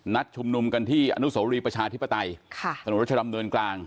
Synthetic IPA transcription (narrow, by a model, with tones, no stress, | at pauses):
na˦˥t̪̚t͡ɕʰu˧mnu˧mka˧nt̪ʰiː˥˩ʔa̰˧nu˦˥soː˩˦ɾiː˧pɾa˧t͡ɕʰaː˧t̪ʰi˦˥pːa˧t̪a˧jkʰa˥˩a˧˨˦t͡ɕʰa˧˩a˧mdɯ˧ənklaː˧ŋ